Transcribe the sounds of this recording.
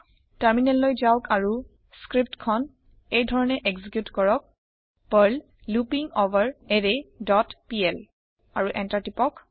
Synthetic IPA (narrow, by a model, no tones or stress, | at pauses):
təɹminɛlːojzawkaɹu | skɹip̚tkʰɔn | ejdʱɔɹɔnɛʔeɡzikjutkɔɹɔk̚ | pəl | lupiŋovaɹɛdedɔtpiɛl | aɹuʔɛntaɹtipɔk